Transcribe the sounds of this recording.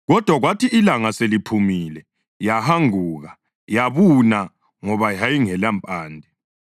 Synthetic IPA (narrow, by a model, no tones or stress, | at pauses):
ɣɔd̥ʱwaɣwatʰiilaŋaselipʰumiːlɛ | jahaŋuːɣa | jaβuna | ŋɔβajajiŋɛlampʼaːndʱɛ